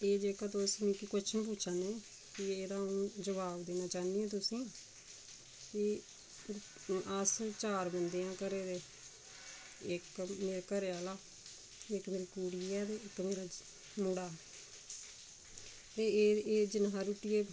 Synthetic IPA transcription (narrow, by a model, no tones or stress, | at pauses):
eːd͡ʒeːkaːt̪oːsmĩːkikʊt͡ʃʰmĩːp̬uːtːt͡ʃʰaːneː | kɪeːd̪ãːũːd͡ʒəʋaːbd̪eːnaːt͡ʃaːniːɛ̃ːt̪ʊsĩː | ki | ast͡ʃaːɾbənd̪ijãːkəɾeːd̪eː | ɪkmeːɾekəɾeːaːlaː | ɪkmeːɾiːkuːɽiːɛːt̪eːɪkmeːɾaː | mʊɽaː | t̪eːd͡ʒɪnãːɾuːʈijeː